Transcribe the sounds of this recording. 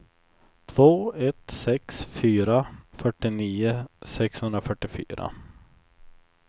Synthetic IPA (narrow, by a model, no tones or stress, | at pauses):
t̪ʰv̥oːɛt̪sɛksfyːɾafœʈːɪniːʊsɛkshɵnd̪ɾafœʈːɪfy̰ːɾa̰